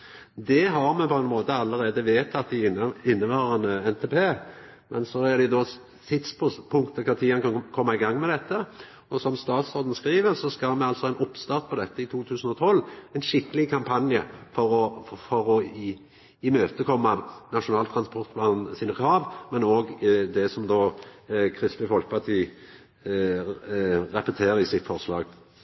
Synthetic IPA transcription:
d̪ɛɦɑɾmɛpʰɔɛnmoːt̪əɑlːəɾeːd̪əʋeːt̪ʰːɑt̪d̪ɪɪɪnːəʋɑːʁənəɛnt̪ʰeːpʰeː | mʔɛnsɔæd̪ɛʊd̪ɔ | t̪ʰɪt̪spʰʊpʰʊŋkt̪əkʰɑt̪ʰiːɑnkɑnkʰɔmːɑɪɡɑŋːmɛd̪ɛt̪ːə | ɔsɔmst̪ɑːt̪soːd̪n̩skɾiːʋəʁsɔskɑmɛɑlt̪sɔhɑɛɪnʊpːst̪ɑʁt̪̚pʰɔd̪ɛt̪ːəɪt̪ʰuːt̪ʰʉːsən̩ɔt̪ʰɔlːɛɪnʃɪkːəlɪkʰɑmpʰɑnjəfɔɾɔfɔɾɔ | ɪmøːt̪əkʰɔmːɑnɑʂʊnɑːlt̪ʰɾɑnspɔʁt̪pʰlɑːnsɪnəkhɑːʋmɛnoːɡd̪ɛsɔmd̪oːkʰɾɪst̪lɪfɔlkəpʰɑʁt̪ʰiː | ʁɛpət̪ʰeːɾɪsɪt̪fɔʁʂlɑ̰ːɡ

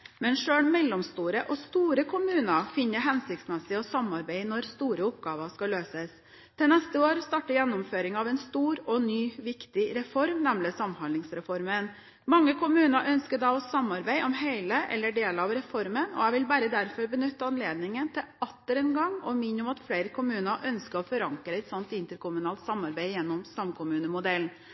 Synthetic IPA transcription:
mɛnʂøːɳmɛlːɔmst̪uːɾəʔɔst̪uːɾəkʰʊmʉːnəɾfɪnːəɦɛnsɪkt̪smɛsɪɔsɑmɑɾbæɪnɔɾst̪uːɾəʊp̚ɡɑːʋəʂkɑløːsəs | t̪ʰɛnɛst̪əoːɾst̪ɑːʈəjɛnːʊmføːɾɪŋɑʋɛnst̪uːɾɔnyːʋɪkt̪ɪɾɛfɔɾmnæmlɪsɑmhɑnlɪŋsɾɛfɔɾmən | mɑŋːəkʊmʉːnəɾʔœnskəɾd̪ɑɔsɑmːɑɾbæɪʔɔmheɪləʔɛ̰lːəɖeːlɑʋɾɛfɔɾmənɔ̰æʋɪlbæːɾəd̪æɾfɔɾbənʏt̪ːəɑnleːd̪nɪŋənt̪ʰɪɑt̪ːəɾɛnɡɑŋɔmɪɲːɔmɑt̪fleɪɾəkʰʊmʉːnəʔœnskəɾɔfɔɾɑŋkɾəɛt̪sɔnt̪ɪnt̪əɾkʰʊmʉnɑːlt̪sɑmːɑɾbæɪjɛnːɔmsɑmkʰʊmʉːnəmʊd̪ɛln

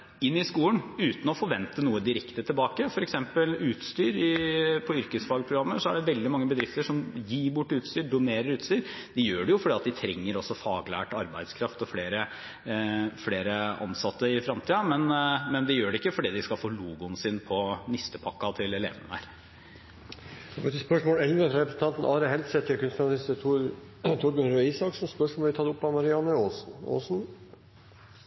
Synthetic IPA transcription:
ɪnːɪskuːlənʉːt̪n̩ɔfɔɾʋɛnt̪ənuːəd̪ɪɾɛkt̪ət̪ʰɪlbɑːkəfɔɾɛksɛmpəlʉːt̪st̪yːɾɪpʰɔʏɾkəsfɑːɡpʰɾʊɡɾɑmːəsɔæɖɛʋɛld̪ɪmɑŋːəbəd̪ɾɪft̪əʂɔmjiːbʊʈːʉːt̪st̪yːɾɖʊneːɾəɾʉːt̪st̪yːɾ | d̪ɛjøːɖɛjʊfɔɖiːɑt̪̚d̪ɪt̪ʰɾɛŋːəɾɔsːɔfɑːɡlæ̰ːʈɑɾbæɪd̪skʰɾɑft̪ɔfleːɾə | fleːɾəɑ̰nsɑt̪ːəɪfɾɑmt̪iːɑmɛnmɛnd̪ɛjøːɖɛɪkːəfɔɖiːd̪ɪskɑlfoːluːɡʊnsɪnpʰɔnɪst̪əpʰɑkːɑt̪ʰɪlɛlḛːʋənəhæ̰ːɾ | ɔt̪əspœʂmoːlɛlʋəɾɛpɾəsn̩t̪ɑnt̪n̩ʔɑːɾəɦɛlsɛt̪ʰːɪlkʉnskɑnɑlɪst̪ə | t̪ʰʊɾbənɾœiːsɑksn̩spœʂmoːlɪt̪ʰɑd̪ʊpːɑmɑɾɪɑnəoːsn̩o̰ːsn̩

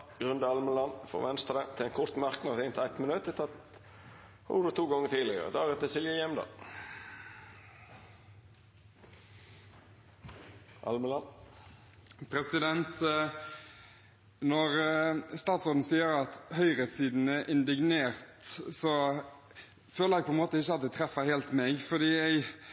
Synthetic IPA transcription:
ɡ̥ʁʉnd̪əɑlməlɑnːfɔ̰ʋɛnst̪ɾəət̪ʰɪlɛnkʰʊɾt̪mɑʁknɑʁt̪ɪnt̪æt̪mənʉt̪ʰət̪ʰɑt̪ | hʊ̰d̪ət̪ʰuːɡɔŋːət̪ʰiːlɪɡ̰ə̰d̪ɑːʁət̪əsɪljəjɛmd̪ɑ̰ː | ʔɑ̰lməlɑn | pʰɾɛsɪd̪ɛnt̪ | nɔɾst̪ɑːt̪soːd̪n̩siːəɾɑt̪hœʏɾəsiːd̪n̩əʔɪnd̪ɪɡneːɾt̪sɔ | føːləɾæɪɡ̚pʰɔɛnmoːt̪əɪçːəɑt̪̚d̪ɛt̪ʰɾɛfəɾheːlt̪mɛɡfɔd̪iːæɪ

